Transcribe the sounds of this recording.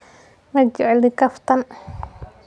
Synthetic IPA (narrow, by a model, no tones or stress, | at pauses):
mɐd͡ʒʊʕɛlɪkɐft̪ʰɐn